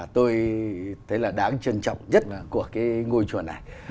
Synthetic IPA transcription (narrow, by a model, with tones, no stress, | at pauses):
t̪o˧jt̪ʰə˨˦jlaː˨˩ɗaː˨˦ŋt͡ɕə˧nt͡ɕɔ̰˧˨wŋ͡mzə˦˥t̚laː˨˩ku˧˩əkaː˨˦jŋo˧jt͡ɕu˨˩ənːa̰˨˩j